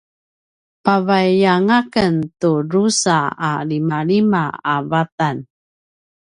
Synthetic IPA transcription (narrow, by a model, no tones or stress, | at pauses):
pavajaŋakəntuɾusaalimalimaavatan